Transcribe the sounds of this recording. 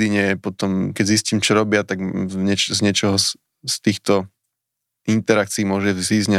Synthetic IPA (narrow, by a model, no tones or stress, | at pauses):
d̪iɲɛɛpɔt̪ɔmkɛɟzisciːmt͡ʃɔɾɔbɪat̪aɡɲɛt͡ʃzɲɛt͡ʃɔɦɔs | st̪iːxt̪ɔ | int̪ɛɾak̚t͡siimʊɔʒɛziːzɲa